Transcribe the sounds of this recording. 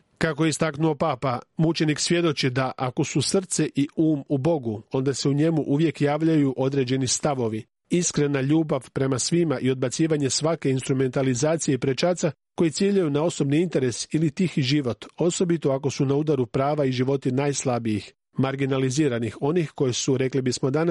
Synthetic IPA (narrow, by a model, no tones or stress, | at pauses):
kako̞jeist̪aknuo̞paːpamut͡ʃe̞niksʋje̞d̪o̞t͡ʃid̪aʔako̞susr̩t̪se̞ʔiuːmubo̞ɡuo̞nd̪ase̞uɲe̞muʔuʋje̞kjaːʋʎajuʔo̞d̪ɾe̞d͡ʑe̞nist̪aʋo̞ʋi | iskɾe̞naʎuːbaʋpɾe̞masʋimaʔio̞d̪bat̪siːʋaɲe̞sʋake̞inst̪ɾume̞nt̪alizaːt̪sije̞ipɾe̞t͡ʃaːt̪sa | ko̞jit̪sjeːʎajunao̞so̞bniint̪e̞ɾe̞silit̪ixiʒiʋo̞t̪o̞so̞bit̪o̞ako̞sunaud̪aɾupɾaːʋaiʒiʋo̞t̪inaːjslˠabijix | maɾɡinaliziːɾanixo̞nixko̞jesuɾe̞klibismo̞d̪ana